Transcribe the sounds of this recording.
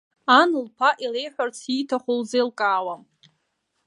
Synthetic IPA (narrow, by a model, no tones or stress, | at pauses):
anɨlpʰaʔilejħʷᶣart͡sʰitʰaχʷolzejlkʼaːwam